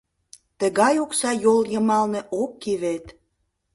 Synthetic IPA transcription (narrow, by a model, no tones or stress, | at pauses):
t̪əɣɑjoksɑjoljəmɑlneʔokːiβet̪